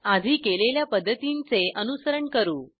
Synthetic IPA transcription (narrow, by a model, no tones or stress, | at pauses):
ad̪ʱiːkeleljapəd̪ʱːət̪int͡seʔənusəɾəɳkəɾuː